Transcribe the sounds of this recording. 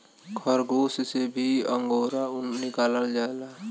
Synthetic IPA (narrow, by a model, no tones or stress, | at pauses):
kʰɔɾɡoːssebʱiəŋɡoːɾaʊnnɪkaːləld͡ʒaːela